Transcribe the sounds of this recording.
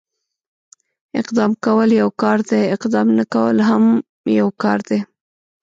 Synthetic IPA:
ɪ̰qd̪ɑmkawəljawkɑɾd̪eɪqd̪ɑmnakawə̰lɦam | jawkɑɾd̪e

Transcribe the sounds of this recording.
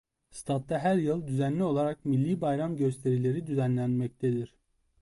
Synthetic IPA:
st̪ʰat̪̚d̪ɑɦæɾjɯlˠd̪yzænlʲio̞lˠaɾakmilʲːiːbajɾamɟø̞st̪ʰe̞ɾilʲe̞ɾid̪yzænlʲænmɛc̚t̪ʰed̪iɾ̥

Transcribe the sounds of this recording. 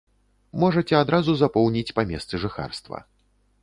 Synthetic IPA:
mɔʐɐt͡sʲɛad̪ɾazuzapɔwnʲit͡sʲpamʲɛst̪sɨʐɨxa̰rst̪vɐ̰

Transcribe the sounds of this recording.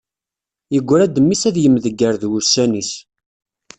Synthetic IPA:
jəɡʷːɾæd̪əmːisæðjəmːðəɡːəɾðwʊɾsænis

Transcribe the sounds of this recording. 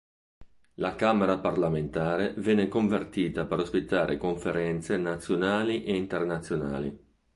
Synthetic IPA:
lakameɾaparlament̪aːɾevɛnːekoɱvert̪iːt̪apeɾospit̪ːaːɾʔḛkoɱfeɾɛnt̪senat̪sːjonaːliʔeint̪ernat̪sːjona̰ːlḭ

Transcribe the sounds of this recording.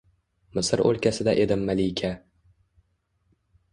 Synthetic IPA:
mɪsɪɾo̰lkʲasɪd̪aʔe̞d̪ɪmːalijkʲʰa

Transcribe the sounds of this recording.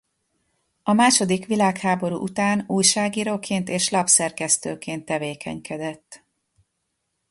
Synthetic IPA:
ɒmaːʃo̞d̪ikʋilaːkhaːbo̞ɾṵʔut̪aːnuːjʃaːɡiːɾoːkʰeːnt̪eːʃlɒpsɛrkɛst̪øːkeːnt̪ːɛveːkʰɛ̰ɲkʰɛd̪ɛt̪ː

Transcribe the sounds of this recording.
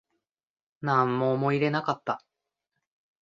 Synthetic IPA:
nãmːoːmo̞iɾe̞nakat̪ːa

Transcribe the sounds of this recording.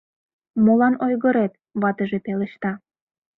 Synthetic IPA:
molɑnojɣəɾet̪̚ | βɑt̪əʒepeləʃt̪ɑ

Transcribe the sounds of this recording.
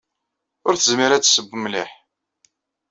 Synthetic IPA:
ʊɾθəzmiɾæt͡sːsəbːəmliħ

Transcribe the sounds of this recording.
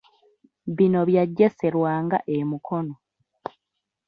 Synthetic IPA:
βino̞βjaɟːe̞se̞ɾwaːŋɡa̰ʔemukʰo̞no

